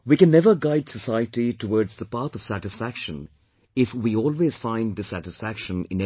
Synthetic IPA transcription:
wiːkɛ̃nːɛvəɾɡaɪdsəsaɪəʈiʈəwɔːɹdzðəpat̪ɔv̥sæʈɪsfækʃə̃n | ɪfwiɔːlweːz̥fãɪ̃ndɪsæʈɪsfækʃə̃nɪ̰̃nɛ

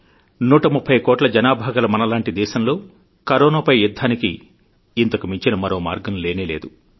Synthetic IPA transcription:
nuːʈɐmupʰːɐjkɔːʈlɐd͡ʒɐnaːbʱaːɡɐlɐmɐnɐlaːɳʈid̪ɛːʃɐmlo̞ː | kɐɾoːnaːpɐjjud̪ʱːaːnikiː | nt̪ɐkumiɲt͡ʃinɐmɐɾo̞ːma̰ːɾɡɐmle̞ːneːle̞ːd̪u

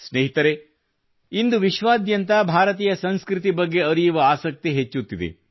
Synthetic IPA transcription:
sneɦit̪ɐɾe | ind̪uʋiʃʋaːd̪jɐnt̪ɐbʱaːɾɐt̪̬iːjɐsɐnskɾit̪ibɐɡːe̞ɐɾijuʋɐaːsɐk̚t̪iɦet͡ʃːut̪ːid̪ḛ

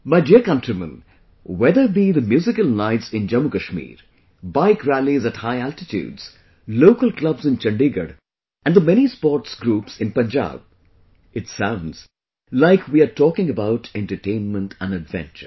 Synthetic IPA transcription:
maɪdiəɾkʌ̃ntɾimə̰̃n | wɛd̪əbid̪əmjuːzɪkəlˠnaɪtsɪ̃nd͡ʒʌ̃mukəʃmḭːɾ | baɪkɾælizæthaɪæltɪtʰjṵːdz̥ | loʊkəlklʌbzɪ̃nt͡ʃʌ̃ɳɖiɡə̰ɾ | ʔæ̃nd̪əmɛñispɔːʈsɡɾuːpsɪ̃npə̃nd͡ʒa̰b̚ | ɪtsãʊ̃ndz̥ | laɪkʰwiaʈʰɔːkɪ̃ŋəbaʊʈɛ̃nʈəʈẽɪ̃nmə̃nʈʰæ̃nədvɛ̰̃nt͡ʃə̰

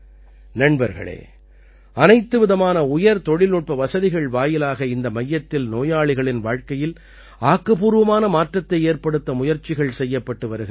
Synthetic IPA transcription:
nɐɳbɐɾɣɐ̰ɭḛː | ɐnɐɪt̪ːɯʋɪðɐmaːnɐʊjɐɾt̪ɔɽɪlnʊʈ̚pɐʋɐsɐðɪɣɐɭʋaːjɪlaːɣɐɪnd̪ɐmɐjːɐt̪ːɪlnoːjaːɭɪɣɐɭɪnʋaːɻkɐjɪl | aːkːɐpuːɾɯʋɐmaːnɐmaːʈrɐt̪ːɐɪeːɾpɐɽɯt̪ːɐmʊjɐɾt͡ʃːɪɣɐɭsɛjːɐpːɐʈːɯʋɐɾɯɣɾ

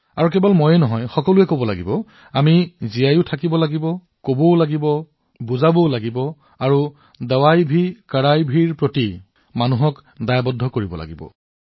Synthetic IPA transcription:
aɹuk̬ɛbɔlmojɛnɔɦɔjxɔkɔluɛkobɔla̰ɡibɔ | amizijajʊtʰakibɔlaɡibɔ | kobɔʊlaɡibɔ | buzabɔʊlaɡibɔ | aɹu | dawajbʱikaɹajbʱiɹpɹoti | manuɦɔkdajabɔdʱɔkoɹibɔla̰ɡibɔ̰

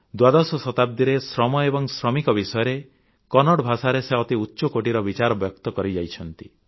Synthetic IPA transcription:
d̪wad̪ɔsɔsɔt̪ab̚d̪iɾesɾɔmɔebɔŋsɾɔmikɔbisɔjɔɾe | kɔnɔɽbʱasaɾeseɔt̪iutːʃokoʈiɾɔbit͡ʃaɾɔbjɔkt̪ɔkɔɾid͡ʒajt͡ʃʰɔnt̪i

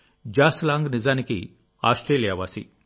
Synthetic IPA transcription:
d͡ʒaːslaːŋɡnizaːnikḭ | a̰ːsʈɾeːlijaːʋaːsḭ

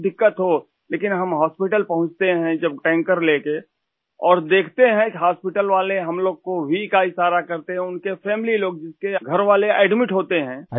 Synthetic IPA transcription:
d̪ɪkːət̪ɦo | leːkɪnɦɐmɦaːspɪʈəlpɐɦʊ̃t͡ʃt̪eɦɛ̃d͡ʒɐb̚ʈɛ̃ːŋkəɾleːke | ɔːɾd̪eːkʰt̪eɦɛ̃ɦaːspɪʈəlʋaːleɦɐmloːɡ̚kobʱikaːisaːɾakɐɾt̪eɦɛ̃ʊnkepʰɛːmɪliloːɡ̚d͡ʒɪskeɡʱɐɾʋaːleɛːɖmɪʈɦoːt̪eɦɛ̃ː

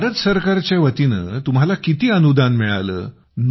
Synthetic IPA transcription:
ɾət̪səɾkaɾt͡ɕjaʋət̪inə̰ːt̪umɦalakit̪iːənud̪anmiɭa̰lə̰ː | n

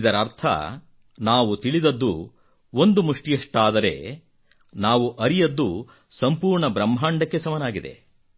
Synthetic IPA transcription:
d̪ɐɾɐɾt̪ʰɐ̰ | naːʋut̪iɭid̪ɐd̪ːṵ | o̞nd̪umuʂʈijɐʂʈaːd̪ɐɾe̞̰ | naːʋuʔɐɾijɐd̪ːu | sɐmpuːɾɳɐbɾɐmːɦaːɳɖɐkːe̞sɐmɐnaːɡid̪e̞̰

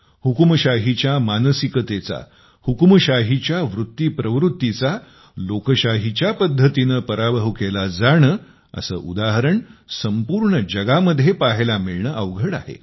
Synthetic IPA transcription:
hukməɕaɦit͡ɕjamanəsikət̪et͡sa̰ | hukməɕaɦit͡ɕjaʋɾut̪ːiːpɾəʋɾut̪ːit͡sa | lokəɕaɦit͡ɕjapəd̪ʱːət̪inəpəɾabəɦuʋkelad͡zaɳ̃ə | ə̰sə̰ːʔṵd̪aɦəɾəɳsəmpuɾɳəd͡ʑəɡaməd̪ʱjepaɦelamiɭɳəʔəʋɡʱəɽa̰ɦḛ

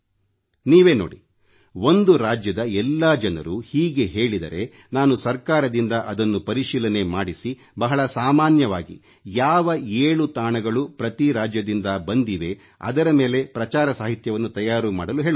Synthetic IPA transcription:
niːʋe̞ːnoːɽḭ | o̞nd̪uɾaːd͡ʒjɐd̪ɐɛlːaːd͡ʒɐnɐ̰ɾuhiːɡe̞ɦe̞ːɭid̪ɐ̰ɾe̞ | naːnusɐɾkaːɾɐd̪ind̪ɐʔɐd̪ɐnːupɐɾiʃiːlɐne̞maːɽisi | bɐɦɐɭɐsaːmaːnjɐʋaːɡḭ | jaːʋɐeːɭut̪aːɳɐɡɐɭupɾɐt̪iɾaːd͡ʒjɐd̪ind̪ɐbɐnd̪iʋe̞ | ɐ̰d̪ɐɾɐmeːle̞pɾɐt͡ʃaːɾɐsaːɦit̪jɐʋɐnːut̪ɐjaːɾumaːɽɐluɦeːɭu

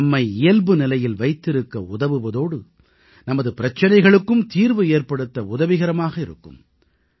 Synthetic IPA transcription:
ɐmːɐɪɪjɐlbɯnɪlɐjɪlʋɐɪt̪ːɪɾɯkːɐʊðɐʋɯʋɐðoːɽɯ | nɐmɐðɯpɪɾɐt͡ʃːɐnɐɪɣɐɭɯkːɯmt̪iːɾʋɯeːrpɐɽɯt̪ːɐʊðɐʋɪɣɐɾɐmaːɣɐɪɾɯ̰kːɯ̰m

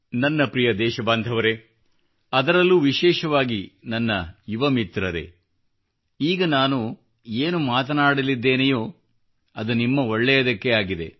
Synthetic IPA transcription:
nɐnːɐpɾijɐd̪ɛːʃɐbaːnd̪ʱɐʋɐɾe̞ | ɐd̪ɐɾɐlːuʋiʃɛːʃɐʋaːɡinɐnːɐjuʋɐmit̪ɾɐɾe̞̰ | iːɡɐnaːnu | eːnumaːt̪ɐnaːɽɐlid̪ːeːnejoː | ɐd̪unimːɐɔɭːɛjɐd̪ɐkːe̞aːɡid̪e̞̰

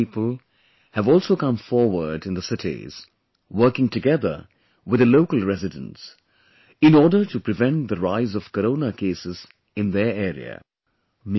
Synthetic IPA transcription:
iːpəlˠ | hævɔːlˠsoʊkʌ̃mfɔɹwə˞dɨ̃nðəsɪtḛz̥ | wɜ˞kɪ̃ŋtɨɡɛðə̰˞ | wɪðəloʊkəlˠɹɛzɪdə̰̃ns | ɪ̃nɔːɖə˞tupɹɨvɛ̃nʈ̚d̪əɹaɪzɔv̥kəɾõːnəkeːsɪz | ɪ̃nðə˞ɛːɾḭə̰ | m

